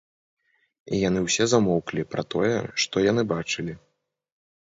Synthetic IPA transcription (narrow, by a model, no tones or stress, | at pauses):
ijan̪ɨwsʲɛzamɔwklʲipɾɐt̪ɔjɛ̰ʂt̪ɔjan̪ɨbat͡ʂɨlʲi